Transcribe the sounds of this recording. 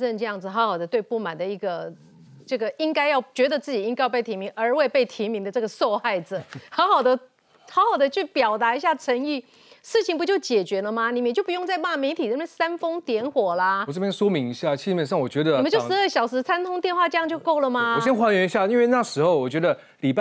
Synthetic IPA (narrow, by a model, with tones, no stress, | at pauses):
ə˥˧nʈ͡ʂɤ˥˧jɑ˥˩ŋd͡zɹ̩˩xɑ˧˥ʊxɑ˨˩ʊd̪ə˦t̪we˥˧ɪpu˥˩ma˨˩nd̪ə˦i˧˥˩ɡə˧ | ʈ͡ʂɤ˥˩ɡə˩i˥ŋka˥ɪjɑ˥˩ʊt͡ɕɥɛ˧˥d̪ə˧t͡sɹ̩˥˩t͡ɕi˨˩i˥ŋa˥jpe˥˩t̪ʰi˧˥mi˧˥ŋʔə˞˧˥we˥˧ɪpe˥˩ɪt̪ʰi˧˥mi˧˥ŋd̪ə˧ʈ͡ʂɤ˥˩ɡə˩so˥˧ʊxa˥˩ɪd͡zɹ̩˨˩xɑ˧˥ʊxɑ˨˩ʊd̪ə˦ | xɑ˧˥ʊxɑ˨˩ʊd̪ə˧˦t͡ɕʰy˥˩pjɑ˨˩ʊt̪a˧˥i˧˥ɕja˥˩ʈ͡ʂʰə˧˥ŋi˥˩ | ʂɻ̩˥˩t͡ɕʰi˨˩ŋp̬u˧˩t͡ɕjo˥˩ʊt͡ɕjɛ˨˩t͡ɕɥɛ˧˥lə˧ma˧ni˨m˨˩t͡ɕo˥˩pu˧jʊ˥˧ŋt͡sa˥˧ɪma˥˩me˧˥ɪt̪ʰi˨˩ɻə˧˥nɛ˥˩sa˥nfɤ˥ŋt̪jɛ˧˥nxwɔ˨˩lɐ˦ɔ˨˩ʈ͡ʂɤ˥˩pjɛ˥nʂwɔ˥mi˧˦˥ŋi˧˥ɕja˥˩t͡ɕʰi˧˥˩pjɛ˨nʂ̬ɑ˥˩ŋwɔ˨˩t͡ɕɥɛ˧˦d̪ə˧˨mə˧˦t͡ɕo˥˧ʊʂɻ̩˧˦ə˥˩ɕjɑ˨˩ʊʂɻ̩˧˥t͡sʰa˥nt̪ʰʊ˥ŋt̪jɛ˥˧nxwa˥˧ʈ͡ʂɤ˥˧jɑ˥˧ŋt͡ɕjo˥˧ko˥˩ʊlə˩ma˧˩˨ɕjɛ˥nxwa˥nɥɛ˧˥ni˧˥ɕja˥˧i˥nwe˥˧ɪna˥˩ʂɻ̩˧˥xo˨˧ʊwɔ˨˩t͡ɕɥɛ˧˥d̪ə˧ | li˨˩p